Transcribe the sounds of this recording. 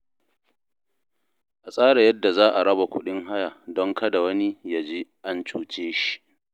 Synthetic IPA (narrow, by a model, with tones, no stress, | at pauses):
ʔa˨sʼaː˦ɽa˨jɐ˦dːa˨zaː˦ʔa˨ɽɐ˦ba˨kʷʊ˦ɗɪ˦ŋɦa˦jaː˨dɔ˦ŋkɐ˦da˨wɐ˦ni˦ja˨d͡ʒeː˦ʔa˦nt͡ʃuː˨t͡ʃeː˦ʃi̥˨ʔ